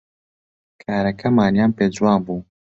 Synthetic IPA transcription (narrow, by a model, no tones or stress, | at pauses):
kʰaːɾɐkɐmaːnjaːmpezwaːmbu